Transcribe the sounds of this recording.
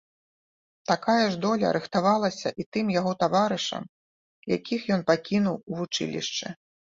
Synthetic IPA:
t̪akajɐʐd̪ɔlʲɐ̰ɾɨxt̪avalˠɐsʲɐ̰ʔit̪ɨmjaɣɔt̪avaɾɨʂɐ̰m | ja̰kʲixjɔnpakʲinuwuvut͡ʂɨ̰lʲḭʂt͡ʂɛ̰

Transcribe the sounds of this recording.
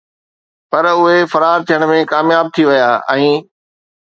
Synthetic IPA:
pɐɾʊɦefɐɾaːɾt̪ʰijəɽ̃mẽkaːmjaːb̚t̪ʰiʋɐjaːɛ̃ː

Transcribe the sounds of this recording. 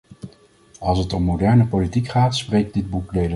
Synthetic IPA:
ɑlˠs̬ɦətɔmːowdɛɹnəpolitikχaːtsprejɡ̚dɪd̚bukdejlə

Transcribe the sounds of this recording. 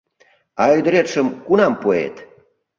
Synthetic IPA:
ɑyd̪ə̆ɾet̪ʃəmkunɑmpoḛt̪

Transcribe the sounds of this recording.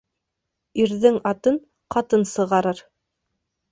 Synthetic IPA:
iɾðɘŋɑt̪ɤn | qɑt̪ɤnsɤ̆ʁɑɾɤɾ

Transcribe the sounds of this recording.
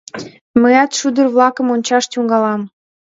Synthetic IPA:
məjɑt̪ʃud̪ərβlɑkə̆monʲt͡ɕɑʃt̪ʲuŋɡɑlɑm

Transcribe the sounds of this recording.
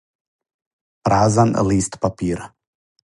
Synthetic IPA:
pɾaːzan̰liːst̪papʲiːɾ

